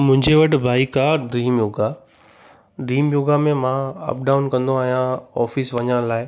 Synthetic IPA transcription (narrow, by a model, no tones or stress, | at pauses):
mʊ̃ɦɪ̃ɲd͡ʑeʋɐʈ̆ʰbʱaːikaːɖɾiːmjoːɡa | ɖɾiːmjoːɡamẽmãɐ̰p̚ɖaːʊnkɐ̃nd̪oaːɦijãɔːfɪsʋɐɲəɽ̃laːɪ